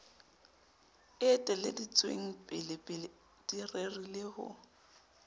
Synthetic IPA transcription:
ɪtʼɛlḛdit͡sʼwḛŋ̩pʼɪlɪpʼɪ | d̥irerilɪhʊ̰

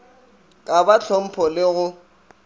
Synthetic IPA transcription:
kʼabat͡ɬʰɔm̩pʰɔlɪɣʊ

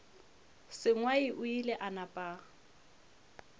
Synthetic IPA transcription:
sɪŋwaɪʔʊilɛʔanapʼa

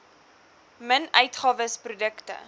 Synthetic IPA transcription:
mənœɥtχɑːvəsprudəktə̰

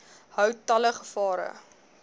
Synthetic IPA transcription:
hœwtɐləχəfɑːɾə̰

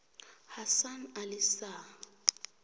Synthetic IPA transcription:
hasanalɪsa

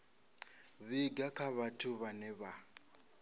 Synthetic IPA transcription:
βiɡakʰaβatʰʊβanɛβa

